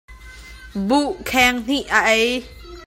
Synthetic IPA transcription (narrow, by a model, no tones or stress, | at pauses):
buʔkʰɛŋn̥iʔaʔej